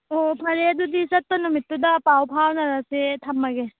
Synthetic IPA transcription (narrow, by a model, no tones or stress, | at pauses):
opʰɐɾeɐdudisɐt̚ːonumitːudɐpawpʰawnɐɾasetʰɐmːɐɡe